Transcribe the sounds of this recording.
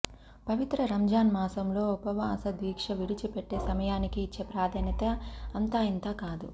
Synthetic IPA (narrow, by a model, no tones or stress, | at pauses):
pɐʋit̪ɾɐɾɐmd͡ʒaːnmaːsɐmlo̞ːupɐʋaːsɐd̪ʋiːkʂɐʋiɽit͡ʃipeʈːeːsɐmɐjaːnikiːt͡ʃːe̞ːpɾaːd̪ʱɐːnjɐt̪ɐɐnt̪aːint̪aːkaːd̪ṵ